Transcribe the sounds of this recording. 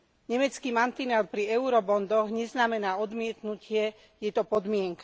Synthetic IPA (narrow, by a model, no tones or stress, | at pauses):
ɲɛmɛt͡skiːmant̪inɛlpɾiɛuɾɔbɔnd̪ɔɣɲɛznamɛnaːɔd̪mɪɛt̪nucʰɪɛ | jɛt̪ɔpɔd̪mɪɛŋkḁ